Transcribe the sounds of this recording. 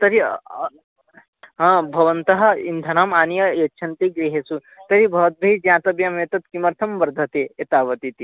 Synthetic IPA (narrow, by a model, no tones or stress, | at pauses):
t̪ɐɾi | ɦɐ̃ːbʱɐʋɐnt̪ɐɦɐ̆ind̪ʱɐnamaːnijɐjɐtːt͡ʃʰɐnt̪iɡɾiɦesu | t̪ɐɾibʱɐʋɐt̪̚bʱɐid͡ʒjãːt̪ɐbjɐmet̪ɐt̪kimɐɾt̪ʰɐmʋɐɾd̪ʱɐt̪eet̪aːʋɐt̪it̪i